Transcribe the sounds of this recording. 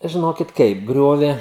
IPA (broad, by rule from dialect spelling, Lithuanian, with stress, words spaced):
ʒʲɪˈnoːkʲɪt ˈkɐɪp ˈɡrʲoːʋʲɛ